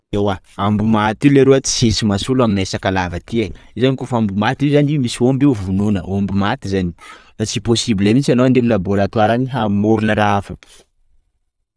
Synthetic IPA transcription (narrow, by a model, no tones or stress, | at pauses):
ewa | ambumat̪ileɾoat͡si̥sesimasulaminesakalavət̪ienizanikofambumat̪iizanimisiombeuvununəoambumat̪izaniɾat͡siposibilamit͡ʃanoand̪eminəbolat̪uaɾaniɦamoɾunəɾaafə̥